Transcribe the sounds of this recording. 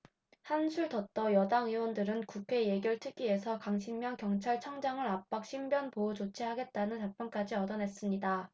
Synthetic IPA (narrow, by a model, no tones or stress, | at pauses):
hansʰuɭdʌt̚t͈ʌjʌdaŋiwʌndɯɾɯnkukʰe̞je̞ɡjʌɭtʰɯɡ͈ie̞sʰʌkaŋɕʰimːjʌŋkjʌŋt͡ɕʰaɭt͡ɕʰʌŋd͡ʑaŋɯɾap̚p͈ak̚ɕʰimbjʌnpoːt͡ɕot͡ɕʰiɦaɡe̞t̚t͈anɯnt͡ɕak̚p͈jʌnk͈ad͡ʑiʌdʌnɦe̞s͈ɯmɲida